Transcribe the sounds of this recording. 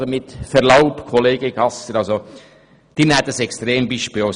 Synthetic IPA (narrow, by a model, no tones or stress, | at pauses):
omɪt̪fɛɾlaʊpkʰoleːɡ̥əɡɑsəɾɑlso | d̪̥inɛt̪ːəsɛkst̪ɾeːmbiʃpio